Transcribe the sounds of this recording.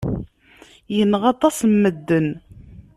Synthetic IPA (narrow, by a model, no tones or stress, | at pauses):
jənːəʁɑt̪ˤɑsmːəd̪ːən